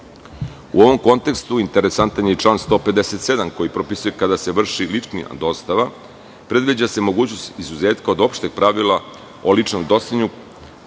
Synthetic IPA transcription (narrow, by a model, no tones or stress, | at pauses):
ṵo̞ʋo̞mko̞nt̪e̞kst̪uint̪eɾesant̪aɲjet͡ʂlˠaːnst̪o̞ːped̪ese̞t̪se̞d̪amko̞jipɾo̞pisuje̞kad̪ase̞ʋr̩ʃilit͡ʂnija̰d̪o̞st̪aʋa | pɾe̞d̪ʋid͡ʑase̞mo̞ɡuːt͡ɕno̞st̪izuze̞ːt̪kaod̪o̞pʃt̪e̞ɡ̚pɾaʋila | olit͡ʂnomd̪o̞sʲiɲu